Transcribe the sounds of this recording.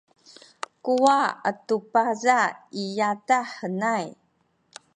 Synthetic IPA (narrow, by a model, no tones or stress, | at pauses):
kuaə̰tupazaijataħənaj